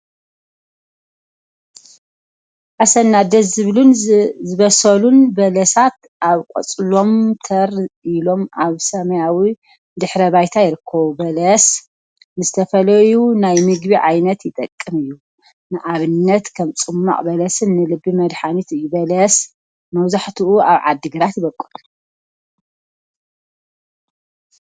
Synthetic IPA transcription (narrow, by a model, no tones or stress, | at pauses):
ʔasɐnːad̪ɐsɨβlunzɨβɐsɐlunbɐlɐsat̪ | ʔaβkʼo̰t͡sʼlo̞mt̪ʰɐɾilo̞mʔaβsɐmɐjawi | d̪ɨħɾɐβajt̪ʰajɪɾɨkʰːɐβubɐlɐs | nɨzɨt̪ʰɐfɐlɐjunajmɨɡbiʕajnɐt̪jɪt̪ʼɐkʼːɨmɨjːu | nɨʔaβɨnːɐt̪kʰɐmt͡sʼɨmːa̰qʼbɐlɐsɨnːɨlɨbːimɐd̪ħanit̪ɨjːubɐlɐs | mɐwzaħt̪ʰiʔua̰βʕad̪ːɨɡɨɾat̪jɪβɐkʼːɨt̪ʼu